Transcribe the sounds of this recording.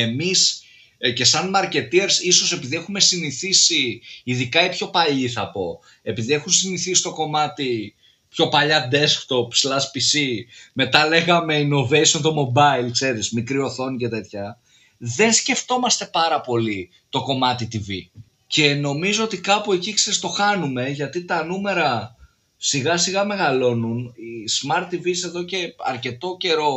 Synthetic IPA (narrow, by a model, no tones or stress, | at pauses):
emis | ce̞sɐnmɐɾce̞t̪ieɾsiso̞se̞piðie̞xume̞siniθisiːðikɐipço̞pɐʎiθɐpo̞ | e̞piðie̞xunsiniθisi̥t̪o̞ko̞mɐt̪i | pço̞pɐʎɐd̪eskt̪o̞pslɐspisime̞t̪ɐle̞ɣɐme̞ino̞ve̞jsiont̪o̞mo̞bɐilkse̞ɾizmikɾio̞θo̞nice̞t̪e̞t̪çɐ | ðe̞nsce̞ft̪o̞mɐst̪e̞pɐɾɐpo̞li | t̪o̞ko̞mɐt̪it̪ivi | ce̞no̞mizo̞ot̪ikɐpue̞ciksest̪o̞xɐnume̞ʝɐt̪it̪ɐnume̞ɾɐ | siɣɐsiɣɐme̞ɣɐlo̞nunismɐɾt̪ːivise̞ðo̞ce̞ɐ̰ɾce̞t̪o̞ce̞ɾo̞